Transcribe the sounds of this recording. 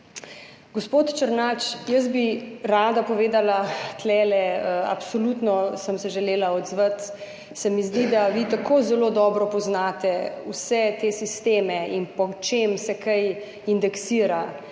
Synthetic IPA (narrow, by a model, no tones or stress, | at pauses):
ɡɔspoːt̪t͡ʃəɾnaːt͡ʃjəs̬biɾaːd̪apɔʋeːd̪alat̪lɛːlɛa̰psɔlut̪nɔsəmsɛʒɛleːlaɔd̪zʋət̪ | sɛmizd̪id̪aʋit̪akoːzɛloːd̪ɔːbɾɔpɔznat̪ɛwsɛt̪esist̪eːmɛinpɔt͡ʃemsɛkaj | ind̪ɛksiːɾa